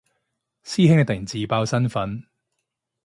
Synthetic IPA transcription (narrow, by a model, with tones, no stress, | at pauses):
siː˥hɪ˥ŋɛ˧t̪ɪ˨˩ŋt͡siː˨paː˧wsɐ˥nfɐ˨˥n